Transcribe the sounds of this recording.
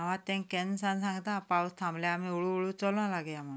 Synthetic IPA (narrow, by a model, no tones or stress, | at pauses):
aʋ̤at̪ẽŋkẽnsãnsãŋɡt̪ãpawst̪ʰãmbljaːmiuɭuuɭut͡sɔlnãlaɡejam̤ə̃